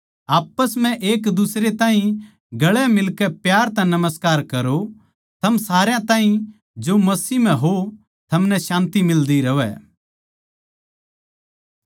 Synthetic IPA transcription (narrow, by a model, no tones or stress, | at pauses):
aːpːəsm̤ɛ̃ʔeːkd̪ʊsɾet̪ãːɦĩ | ɡɐɭɛmɪlkɛpjaːɾt̪ɛ̃nɐməskaːɾkɐɾo | t̪ʰɐmsaːɾjãt̪ãːɦĩ | d͡ʒomɐsiːm̤ɛ̃ɦo | t̪ʰɐmnɛʃãːnt̪imɪld̪iɾɐʋɛ̰